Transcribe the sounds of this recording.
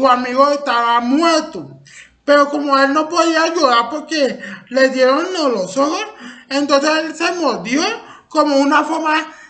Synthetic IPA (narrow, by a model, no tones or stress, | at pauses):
oamiɣoest̪aβamweɾt̪o | peɾokomoelnopoðiajoɣaɾpoɾkeled̪jeɾonnolosohosẽnt̪õnseslsemoðjo | komounafoɾma